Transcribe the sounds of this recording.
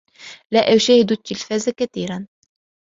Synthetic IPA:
laʔaʃahɪd̪t̪ːɪlfaːzakaθiːɾan

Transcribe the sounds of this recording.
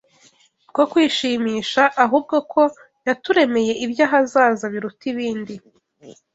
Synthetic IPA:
kokwiːʃiːmiːʃaʔːɦuːb̚ɡo̞kʰo̞ | jatuɾe̞me̞je̞ʔibjaɦazaːzaβiɾutiβiːndi

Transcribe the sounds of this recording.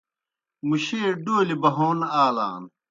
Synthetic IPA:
muɕeːɖoːlibɐɦoːnaːla̰ːn

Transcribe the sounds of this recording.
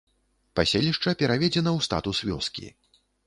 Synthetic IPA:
pasʲelʲiʂt͡ʂɐpʲɛɾavʲɛd͡zʲɛnɐwst̪a̰t̪usvʲɔ̰skʲḭ

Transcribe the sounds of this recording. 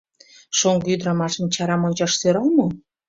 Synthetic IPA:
ʃoŋɡyd̪ɾɑmɑʃə̆mt͡ɕɑɾɑmonʲt͡ɕɑʃsøɾɑlmɤ̆

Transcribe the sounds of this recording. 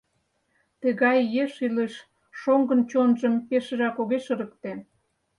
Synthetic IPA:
t̪əɣɑjːeʃileʃ | ʃoŋɡənt͡ɕonʒəmkeʃə̆ʒɑkoɣeʃə̆ɾək̚t̪en

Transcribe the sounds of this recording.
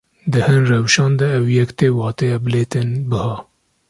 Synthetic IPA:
d̪ɨhɨnrɛwʃɑːnd̪ɛɛwjɛkt̪eːwɑːt̪ɛjɑbɨleːt̪ɪnbɨhɑː

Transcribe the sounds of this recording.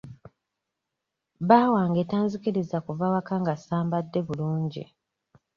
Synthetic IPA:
baːwaːŋɡeːtaːɲzikiɾizakuvawakaŋɡasaːmbadːe̞βuluːɲɟḭ

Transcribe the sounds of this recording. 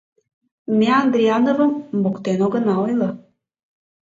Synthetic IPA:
meand̪ɾianovəmːukt̪enoɡənaojlˠɤ

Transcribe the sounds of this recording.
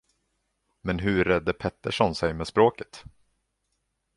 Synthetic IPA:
mɛnɦɵɾɛd̪ːəpʰɛt̪ːəʂɔnsɛjmɛːspɾoːkət̪

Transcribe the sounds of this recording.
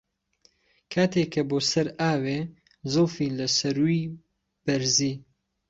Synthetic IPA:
kʰaːt̪ʰeːkʰːɐboːsɐɾaːweː | zowfiːlɐsɐɾwi | b̥ɐɾziː

